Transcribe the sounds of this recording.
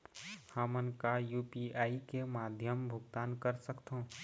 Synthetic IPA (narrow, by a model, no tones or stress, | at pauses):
həmənkajupiaːikemaːd̪ʱjəmbʱʊɡt̪aːnkəɾsəkt̪ʰɦõ